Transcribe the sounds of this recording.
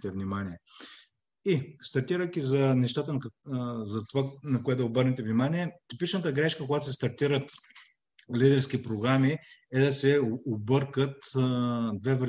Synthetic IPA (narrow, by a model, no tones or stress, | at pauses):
t̪ɛvnimaniɛ | ist̪ɐɾt̪iɾək̟izɐnɛʃt̪at̪ənzɐt̪vanɐkoɛt̪obɤɾnɛt̪ɛvnimaniɛt̪ipit͡ʃnət̪əɡɾɛʃkəkoɡat̪osɛst̪ɐɾt̪iɾət̪ | lid̪ɛɾsk̟ipɾoɡɾamiɛd̪ɐsɛoobɤɾkət̪ | d̪vɛvɾ